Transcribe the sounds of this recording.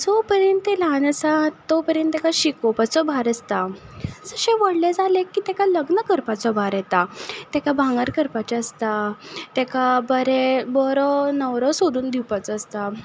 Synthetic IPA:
sɔpəɾjənelãnəsat̪ːɔpəɾjənt̪ekaɕikɔpat͡sɔbʱaɾəst̪asəɕɛ̃ʋəɽled͡zalekːiːt̪ɛkaləɡnəkəɾpat͡sɔbʱaɾjɛt̪at̪ɛkabʱãŋɡaɾkəɾpat͡ɕaəst̪at̪ɛkabəɾebɔɾɔnəʋɾɔsod̪uːnd̪iwpat͡sɔəst̪a

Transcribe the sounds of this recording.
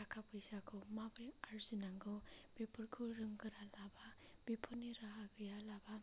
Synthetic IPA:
akʰapʰɯjsakʰɔmabɾiaɾzinaŋɡɯb̥epʰɯɾkʰuɾɯŋɡɯɾalaba | b̥ipʰɔniɾaɦaɡɯjalaba

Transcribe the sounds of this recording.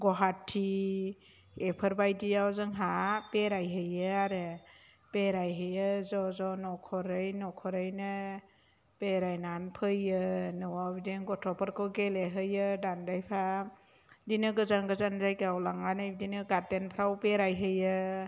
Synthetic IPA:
ɡɔɦatʰːi | epʰəɾbajdiawzɯŋɦapeɾajɦɯjɯaɾɯ | peɾajɦɯjɯzɔzɔnɔkʰɔɾɯjnɔkʰɔɾɯjnɯ | peɾajnanpʰɯjɯnɯwabideŋɡɔtʰɔpʰɔɾkʰɯwɡeleɦɯjɯdandajpʰa | dinɯɡɯzaŋɡɯzanzajkawlaŋanajbdinɯɡatenpʰɾawpeɾajɦɯjɯ

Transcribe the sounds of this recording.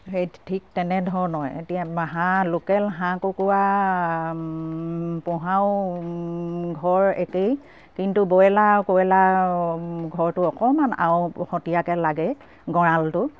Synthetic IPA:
xejtʰik̚tɛnɛdʱɔɹnɔjḛtijamaɦalokɛlɦãkukuwa | pɔ̃ɦaʊ | ɡʱɔɹḛkej | kintubɔjɛlakoɛla | ɡʱɔɹtʊɔkɔmana̰wxɔtijakɛlaɡɛ | ɡɔɹaltʊ

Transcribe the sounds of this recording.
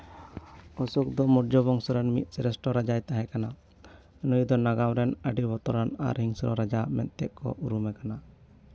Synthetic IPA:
ɔsuk̚d̪ɔmɔɾd͡ʒɔbɔŋsɔɾɛnmḭt̪̚ˀsɛɾɛsʈɔɾad͡ʒajt̪aɦɛkana | nujd̪ɔnaɡawɾɛnəɖibɔt̪ɔɾana̰ɾɦiŋsɔɾɔ̰ɾad͡ʒamɛ̰nt̪ɛʔ̪̚kɔ̰ʔuɾumɛkana

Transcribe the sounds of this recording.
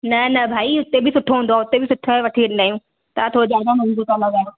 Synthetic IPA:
nɐnɐbʱaːiʊt̪ebʱɪsʊʈʰːoũːnd̪oaːʊt̪ebʱɪsʊʈʰːoʋɐʈʰiɽɪnd̪aːjũː | t̪at̪ʰod͡ʑaːd͡ʒãmʊ̃nd̪uk̪alɐɡaːjo

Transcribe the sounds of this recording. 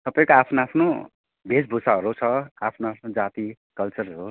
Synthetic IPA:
t̪ʌpaĩkoapʰnoapʰno | bʱesbʱusaɦʌɾut͡sʰʌapʰnoapʰnod͡zat̪i | kʌlt͡sʌɾʌɾu

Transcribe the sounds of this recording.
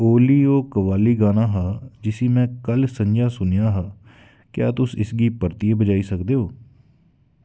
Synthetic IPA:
oːliːoːkəʋaːliːɡaːnaːɦaːd͡ʒɪsiːmɛ̃ːkəlsəɲd͡ʒaːsʊnjaːɦaː | kjaːt̪ʊsɪsɡiːpəɾt̪ieːbəd͡ʒaːiːsəkd̪eːɦoː

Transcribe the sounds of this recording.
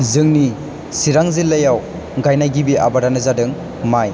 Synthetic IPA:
zɯŋni | siɾaŋzilːɐjaw | ɡajnajɡibiʔa̰baɾanɯzadɯŋ | maj

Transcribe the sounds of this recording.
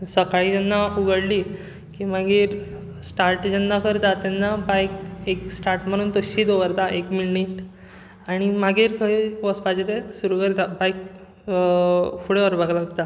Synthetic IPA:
səkaɭiːd͡ʑ̪anːauɡəɽliː | kimaɡiːɾ | sʈaɾʈd͡ʑənd̪akəɾt̪at̪ɛnːabajkeksʈaɾʈm̤əɽ̃uːnt̪əɕiːd̪oʋəɾt̪aʔekmilniʈ | aɽ̃imaɡiːɾkʰəiʋəspad͡ʑet̪esuɾukəɾt̪abajk | fuɽeʋəɾbaɡlaɡt̪a

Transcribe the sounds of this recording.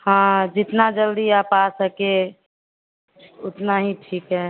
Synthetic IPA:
hãd͡ʒit̪nad͡ʒəld̪iapasəke | ut̪naɦiʈʰikɦɛ

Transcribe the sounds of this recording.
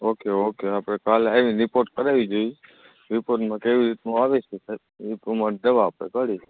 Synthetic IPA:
okeokeapɽekalaʋĩɾɪpoɾʈkəɾaʋid͡ʒoj | ɾɪpoɾʈmãkeʋiɾit̪̚nũaʋeʃesʰe | ipumad̪əʋaːpɽḛkəɽi

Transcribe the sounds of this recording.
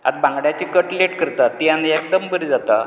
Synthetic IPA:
a̰d̪bãŋɡɽjat͡ɕikəʈleʈkəɾt̪at̪ːiãniekd̪əmbəɾid͡zat̪a̰

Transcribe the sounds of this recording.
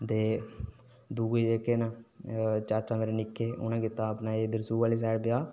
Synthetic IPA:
t̪eː | d̪uːɡeːd͡ʒeːkeːnãː | t͡ʃaːt͡ʃãːmeːɾenɪkʰːeːʊ̰nãːkɪt̪aːpnaːeːd̪əɾsuːʋaːliːs̬ɛːɽpɪjaː

